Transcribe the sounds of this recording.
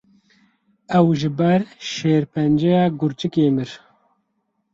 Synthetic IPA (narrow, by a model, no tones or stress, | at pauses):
ɛwʒɪbɛɾʃeːɾpʰɛnd͡ʒɛjɑːɡʊɾt͡ʃɨkeːmɨɾ